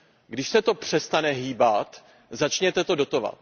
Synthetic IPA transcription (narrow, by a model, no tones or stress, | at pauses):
ɡdɪʃsɛt̪o̞pr̝̥ɛst̪anɛɦiːbat̪ | zat͡ʃɲɛt̪ɛt̪o̞do̞t̪o̞va̰t̪̚